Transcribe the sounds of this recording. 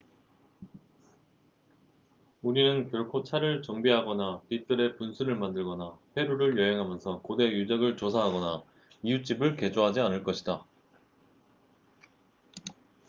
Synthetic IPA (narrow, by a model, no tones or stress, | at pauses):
uɾinɯnkjʌɭkʰot͡ɕʰaɾɯɭt͡ɕʌŋbiɦaɡʌnapit͈ɯɾe̞punsʰuɾɯɭmandɯɭɡʌnaɸwe̞ɾuɾɯɭjʌɦe̞ŋɦamjʌnsʰʌkode̞jud͡ʑaɡɯɭt͡ɕosʰaɦaɡʌna | ijut͡ɕ͈ibɯɭke̞d͡ʑoɦad͡ʑianɯɭk͈ʌɕʰida